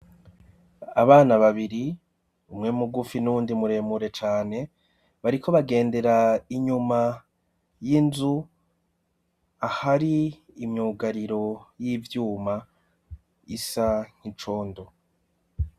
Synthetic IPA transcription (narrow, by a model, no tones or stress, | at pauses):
aβaːnaβaβiɾi | umŋe̞muɡufinuːndimuɾe̞muɾe̞t͡ʃaːne̞ | βaɾikʰo̞βaɡe̞ːnde̞ɾaiɲuma | jinzu | ahaɾiː | mɲuːɡaɾiɾo̞jivjuːma | isaɲ̥it͡ʃo̞ːndo̞